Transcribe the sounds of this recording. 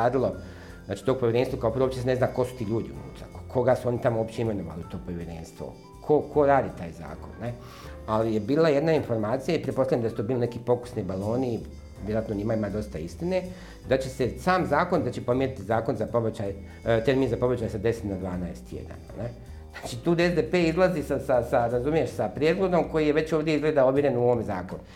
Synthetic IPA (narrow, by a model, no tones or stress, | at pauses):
aːd̪ilo̞ | znaːt͡ʃi̥t̪oɡ̚poʋjeɾe̞nst̪ʋokaopɾot͡ɕesene̞znaːko̞su̥t̪iːʎuːd̪iṵnṵːt̪ɾa̰ku̥kʰo̞ɡasuo̞nit̪amooːpt͡ɕeime̞noʋa̰liut̪o̞ːpoʋʲjeɾḛːnst̪ʋo̰ | kʰo̞kʰo̞ɾaːd̪it̪aːjza̰ːko̰nːe̞ | alije̞biːlaje̞d̪nainfo̞ɾmaːt̪sijaipɾet̪posaʎjamd̪asut̪obiːline̞kipo̞ku̥snibalˠo̞ːni | ʋjeɾat̪noɲimaimad̪o̞st̪aist̪ine̞ | d̪at͡ɕe̞se̞saːmzaːko̞nd̪at͡ɕepo̞mjeɾit̪izaːko̞nzapo̞bet͡ɕaj | t̪eɾmiːnzapo̞bet͡ɕajsad̪e̞set̪nad̪ʋaːnaest̪jḛd̪a̰na̰ne | znaːt͡ʃit̪uːd̪ezd̪epeːizlˠazisasasaɾazumije̞ʃsapɾje̞d̪ɡo̞d̪o̞mko̞jijeʋe̞t͡ɕo̞ːʋd̪ʲjeizɡleːd̪ao̞bʋjiɾenuoʋomezaːkonu